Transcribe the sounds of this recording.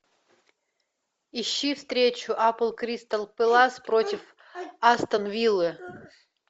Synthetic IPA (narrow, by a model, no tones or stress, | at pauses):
ɪɕːifst̪ɾʲet͡ɕʊʔapəlˠkɾʲist̪ɐlˠpɨlˠaspɾotʲɪf | ast̪ənvʲilˠɨ